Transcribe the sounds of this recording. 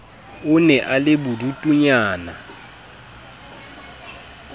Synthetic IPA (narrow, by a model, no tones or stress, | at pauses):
ʊnɛʔalɪbʊdutʼuɲaːna